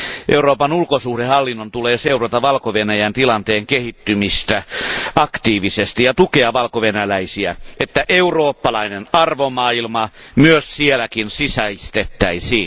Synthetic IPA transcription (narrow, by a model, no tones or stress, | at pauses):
ʔeuroːpɑnulkosuhdehɑlːinːont̪uleːseurɑt̪ɑʋɑlkoʋenæjænt̪ilɑnt̪eːŋkehit̪ːymist̪æɑkt̪iːʋisest̪ijɑt̪ukeɑʋɑlkoʋenælæisiæet̪ːæʔeuroːpːɑlɑinenɑrʋomɑːilmɑ | myøssielækinsisæist̪et̪ːæisiːn